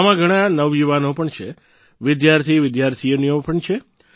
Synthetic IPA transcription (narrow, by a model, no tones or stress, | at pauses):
amãɡʱəɽ̃ãnəʋjuʋanopəɳt͡ʃʰe | ʋɪd̪jaɾt̪ʰiʋɪd̪jaɾt̪ʰijənijopəɳt͡ʃʰe